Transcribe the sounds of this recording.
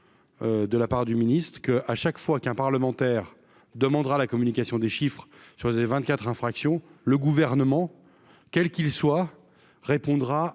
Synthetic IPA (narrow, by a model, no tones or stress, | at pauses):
ød̪əlapaʁd̪yminist̪χkəʔaʃakfwakɛ̃paʁləmɑ̃t̪ɛːʁ | d̪əmɑ̃d̪ʁalakɔmynikʲasjɔ̃d̪eʃifχsyʁsevɛ̃t̪̚kʲat̪χɛ̃fχaksjɔ̃ləɡuvɛʁnəmɑ̃ | kʲɛlkʲilswa | ʁepɔ̃d̪ʁa